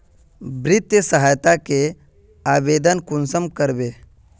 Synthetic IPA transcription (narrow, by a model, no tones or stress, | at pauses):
bɾit̪jəsəɦajt̪ake | abed̪ənkunsəmkəɾbe